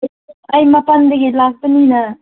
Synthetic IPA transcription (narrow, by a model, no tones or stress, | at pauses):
ajmapandaɡilak̚pənina